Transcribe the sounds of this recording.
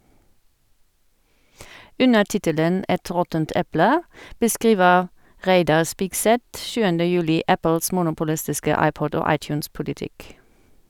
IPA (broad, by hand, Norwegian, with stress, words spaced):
ˈʉnə ˈʈɪtələn ˈɛt ˈʁɔtənt ˈɛplə bəˈskʁiːʋəʁ ˈʁæɪdɑʁ ˈspiːkˌsɛt ˈʃʉːəndə ˈjʉːlɪ ˈæpl̩s ˈmuːnʊpʊlɪstɪskə ˈɑɪˌpɔd ˈoː ˈɑɪˌt͡ʃʉːnˌspʊlɪˌtɪk